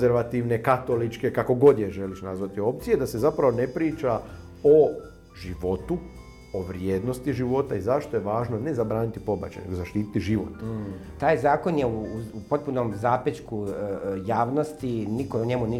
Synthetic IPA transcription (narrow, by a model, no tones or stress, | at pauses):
zeɾʋat̪iʋne̞kat̪o̞lit͡ʃke̞kako̞ɡo̞d̪jeʒe̞liʃnazʋat̪io̞p̚t̪sije̞d̪ase̞zapɾaʋo̞ne̞pɾiːt͡ʃa | o̞ | ʒiʋo̞t̪u | oʋɾjeːd̪no̞st̪iʒiʋo̞t̪aizaʃt̪o̞jeʋaːʒno̞ne̞zabɾaːnit̪ipo̞ba̰t͡ʃa̰j̰neɡozaʃt̪iːt̪i̥t̪iʒiʋo̰t̪t̪aːjzaːko̞njeuupo̞t̪̚punomzaːpet͡ʃkujaːʋno̞st̪inikouɲemuni